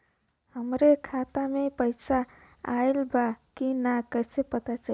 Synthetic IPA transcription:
həmɾekʰat̪amepəɪsa | aelbakinakəɪsepət̪at͡ʃaɦ

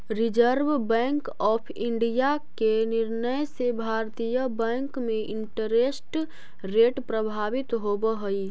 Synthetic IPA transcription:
ɾɪd͡ʒəɾʋbɛ̃ːŋkɔːpʰɪ̃ɳɖijakenɪɾnəjsebʱaːɾt̪ijəbɛ̃ːŋkmẽʔɪ̃ɳʈəɾesʈ | ɾeːʈpɾəbʱaːʋɪt̪ɦobəɦəi

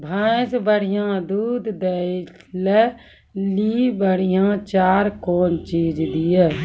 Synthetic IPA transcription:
bʱãsbəɽ̤ɪjãːd̪uːd̪d̪e | lɛ | liːbəɽ̤ijãːt͡ʃaːɾkoːnt͡ʃiːd͡ʒd̪ijɛː

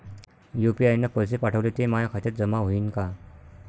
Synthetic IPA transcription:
jupiajnːapəsepaʈʰəʋlet̪emajakʰat̪et̚d͡zəmaɦoiːnka

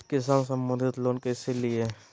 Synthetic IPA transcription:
kɪs̬aːnsɐmbə̃nd̪ʱɪt̪loːnkeselie

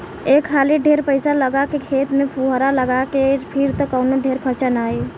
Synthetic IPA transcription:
eːkʰːaːliɖʱeːɾpəɪsaləɡakekʰeːt̪mẽpʰuɦɾaləɡakepʰiɾt̪okəʊnoɖʱeːɾkʰət͡ʃənaːi

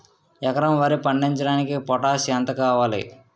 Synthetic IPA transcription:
ɛkɐɾɐmʋɐɾipɐɳɖiɲt͡ʃɐɽaːnikipɔʈaːʃɛːnt̪ɐkaːʋaːlḭ

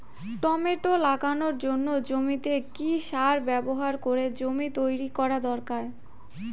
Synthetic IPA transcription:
ʈɔmeʈolaɡanoɾd͡ʑonːod͡ʑomit̪ekiʃaɾbɛboɦaɾkoɾed͡ʑomit̪ojɾikɔɾad̪ɔɾkaɾ

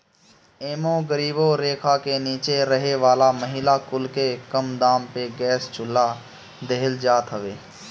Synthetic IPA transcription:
eːmõɡəɾiːboɾeːkʰakeniːt͡ʃeɾəɦeʋaːlaməɦɪlakʊlkekəmd̪aːmpeɡɛːst͡ʃʰʊlːa | d̪eɦɪld͡ʒaːt̪ɦəʋeː

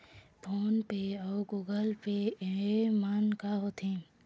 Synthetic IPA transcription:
pʰoːnpeɔːɡuːɡəlpe | maːnkaɦoːt̪ʰẽː

